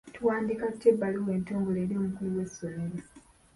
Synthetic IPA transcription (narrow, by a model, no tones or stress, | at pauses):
tuwaːndikatebːaliwe̞ːntoːŋɡoleːɾiomukuliwe̞sːome̞ɾo